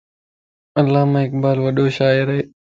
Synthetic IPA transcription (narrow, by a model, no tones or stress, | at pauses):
əlːaːmãːɪk̚baːlʋəɗoːʃaːɪɾəɦeː